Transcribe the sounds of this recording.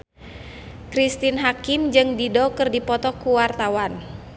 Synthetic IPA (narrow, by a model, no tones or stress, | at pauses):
kɾist̪inɦakimd͡ʒɨŋdidɔkɨrdipɔt̪ɔkuwart̪awan